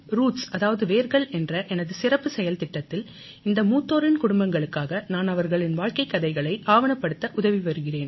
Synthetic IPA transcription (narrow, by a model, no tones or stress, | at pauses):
ɾuːʈsɐðaːʋɐðɯʋeːɾɣɐɭɛndrɐʔɛnɐðɯsɪrɐpːɯsɛjɐlt̪ɪʈːɐt̪ːɪl | ɪnd̪ɐmuːt̪ːoːɾɪnkʊɽʊmbɐŋɡɐɭɯkːaːɣɐnaːnɐʋɐɾɣɐɭɪnʋaːɻkɐɪkːɐðɐɪɣɐɭɐɪʔaːʋɐnɐpːɐɽɯt̪ːɐʔʊðɐʋiʋɐɾɯɣɪreːn